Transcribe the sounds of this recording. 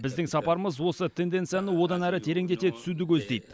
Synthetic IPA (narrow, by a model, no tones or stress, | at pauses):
bɪzd̪ɪŋsɑpɑɾəməzwo̞sət̪ʰe̞nd̪e̞nt̪sijanəwo̞d̪ɑnæɾɪt̪ʰe̞ɾeŋd̪e̞t̪e̞t̪ʰʏ̥sud̪ɪkʲʰɵzd̪e̞jd̪ɪ